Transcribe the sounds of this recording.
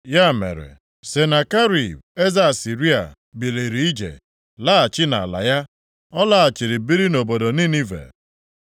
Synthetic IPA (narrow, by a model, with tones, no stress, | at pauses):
ja˦˨mḛ˨ɾḛ˨ | se˨na˨ka˦ɾi˨be˦za˦˨si˨ɾi˦a̰˨ | bi˨le˨ɾi˨˦i˦d͡ʒḛ˨ | la˦a˨t͡ʃɪ˦na˨a̰˨la̰˨ja˦ | ɔ˦la˦a˨t͡ʃi˨ɾi˨bi˦ɾi˦no˨bo˨do˨ni˦ni˦vḛ˨